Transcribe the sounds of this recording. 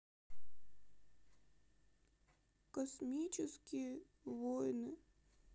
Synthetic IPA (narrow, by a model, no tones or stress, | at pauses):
kɐsmʲit͡ɕɪskʲijə | vojnɨ